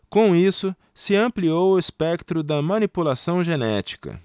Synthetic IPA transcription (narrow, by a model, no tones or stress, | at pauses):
kõw̃isʊ | sɪɐ̃mpliowʊespɛkt̪ɾʊd̪ɐmɐ̃nipulasɐ̃w̃ʒenɛ̰t͡ʃi̥kɐ̰